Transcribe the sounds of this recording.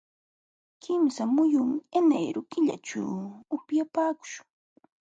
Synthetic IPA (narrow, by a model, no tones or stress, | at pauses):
kɪmsamʊjʊmɪenajɾʊkɪʎa̰ʈ͡ʂa̰wʊpjapaːkʊ̥ʃʊ̥ŋ